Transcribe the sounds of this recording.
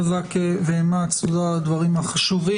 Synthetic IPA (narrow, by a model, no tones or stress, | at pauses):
zakeveemat͡sulad̪vaʁimhaχaʃuʁi